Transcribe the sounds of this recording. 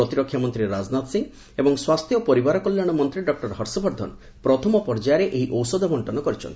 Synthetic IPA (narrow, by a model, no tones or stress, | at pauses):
ɾɔt̪iɾɔkʰːjamɔnt̪ɾiɾad͡ʒnat̪siŋ | ebɔŋswast̪ʰjɔpɔɾibaɾɔkɔljaɽ̃ɔmɔnt̪ɾiɖɔk̚ʈɔɾɦɔɾsɔbɔɾd̪ʱɔ̰n | pɾɔt̪ʰɔmɔpɔɾd͡ʒajaɾeʔeɦiʔɔwsɔd̪ʱɔbɔɳʈɔnɔkɔɾit͡ʃʰɔ̰nt̪i̥